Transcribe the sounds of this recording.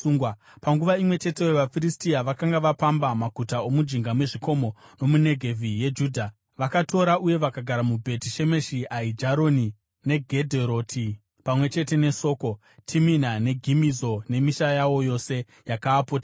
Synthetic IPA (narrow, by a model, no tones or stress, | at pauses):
uːŋɡwa | paŋɡuʋaimwe̞t͡ʃe̞te̞weʋafiristiaʋakaŋɡaʋapambamakutao̞mud͡ʒiŋɡamwe̞ʐiko̞mo̞no̞mune̞ɡʱe̞vʱije̞d͡ʒuːdʱa | ʋakatʰo̞ɾaʔuje̞ʋakaɡʱaɾamubʱe̞tiʃe̞me̞ʃiaid͡ʒaɾo̞ni | ne̞ɡʱe̞dʱeɾo̞tʰi | pamwe̞t͡ʃe̞te̞ne̞so̞ːko̞ | tʰiminane̞ɡʱimizo̞ne̞miʃajawo̞jo̞se̞ | jakaːpoːta